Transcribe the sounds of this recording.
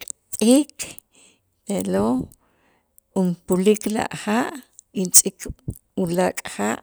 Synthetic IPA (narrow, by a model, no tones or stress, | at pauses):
kʼt̪ʼiːk | t̪elo | umpulikla̰ʔχaʔint͡sʼik | ulakʼxaːʔ